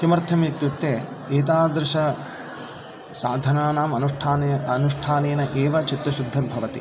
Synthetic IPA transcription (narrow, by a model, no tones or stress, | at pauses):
kimɐɾt̪ʰɐmit̪ːjut̪ːeːeːt̪̬aːd̪ɾɪʃɐ | saːd̪ʱɐnaːnaːmɐnuʂʈʰaːnɐnuʂʈʰaːneːnɐʔeːʋɐt͡ʃit̪ːɐʃud̪ʱːɐmbʱɐʋɐt̪ḭ